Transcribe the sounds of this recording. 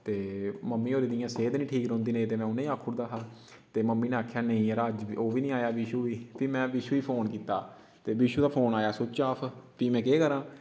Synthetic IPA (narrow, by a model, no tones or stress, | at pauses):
t̪eːməmːiːoːɾeːd̪ijãːseːd̪nĩːʈʰiːkɾɔ̃ːnd̪iːnĩːt̪eːmɛ̃ːʊnẽĩːaːkʰːuːɾd̪aːɦaː | t̪eːməmːiːneːaːkʰjaːnəĩːɾaːd͡ʒioːʋiːnĩːaːjaːʋiːʃuːiːpiːmɛ̃ːʋiːʃuːiːpʰoːnkiːt̪aː | t̪eːʋiːʃuːd̪aːpʰoːnaːjaːsʊt͡ʃaːpʰpiːmɛ̃ːkeːkəɾãː